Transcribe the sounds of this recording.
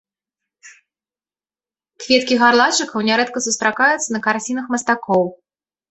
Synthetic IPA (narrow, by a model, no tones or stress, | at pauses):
kvʲɛt̪kʲiɣarlˠat͡ʂɨkɐwnʲaɾɛt̪̚kɐsust̪ɾakajut̪sːɐnɐkart͡sʲinɐxmɐst̪akɔw